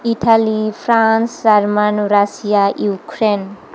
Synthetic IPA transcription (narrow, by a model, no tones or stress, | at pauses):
iʈʰalipʰɾãnsd͡ʒaɾmanuɾasijajukɾen